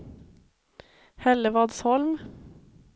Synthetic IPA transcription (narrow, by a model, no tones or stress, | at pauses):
hɛləʋɑːd̪shɔlm